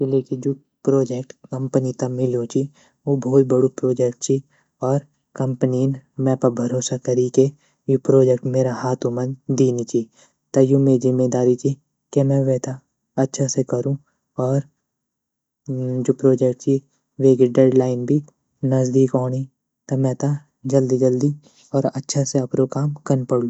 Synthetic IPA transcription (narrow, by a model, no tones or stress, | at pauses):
keleːkĩd͡ʒoː | pɾoːd͡ʒek̚ʈkɐ̃mpənit̪ɐmɪljõt͡ʃʰi | ʋobʱɔːt̪̚bɐɽopɾoːd͡ʒɛkʈt͡ʃʰi | ɔːɾ | kɐ̃mpninmɛ̃ːpɐbʱɐɾoːsakɐɾike | jopɾoːd͡ʒek̚ʈmeːɾahaːt̪ʰũmɐ̃nd̪iːnit͡ʃi | t̪ɐjumeːizɪmːed̪aːɾit͡ʃi | kemɛ̃ʋeːt̪a | ɐtːʃʰasekɐɾũ | ɔːɾ | d͡ʒoːpɾoːd͡ʒekʈt͡ʃi | ʋeːkiɖeːɖlaːɪnbʱi | nɐzd̪iːkɔːñi | t̪ɐmɛ̃ːt̪a | d͡ʒɐld̪id͡ʒəld̪i | ɔːɾɐtːʃʰaseɐpɾokaːmkɐnpəɽlũ